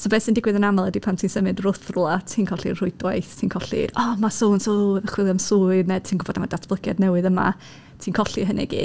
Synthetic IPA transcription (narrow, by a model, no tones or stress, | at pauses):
sobɛːsɪndɪɡwɨðənamalˠɛdipʰamtʰiːnsəmɨdrʊθrʊlˠatʰiːnkʰɔɬirrʊɨdwajθtʰiːnkʰɔɬḭrɔmasonsoðəχwɪlˠamsʊɨrnɛd̚tʰiːnɡʊb̥ɔdamadatʰb̥ləɡjadnɛwɨðəma̰ | tʰiːnkʰɔɬiɦənɛ̰ɡḭː